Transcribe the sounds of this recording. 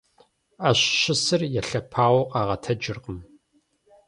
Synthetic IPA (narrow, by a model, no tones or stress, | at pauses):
aːɕɕɪsɨrjɛɬɐpʰaːwɔqʼɑːʁɐtʰɐd͡ʒɪrqʼəm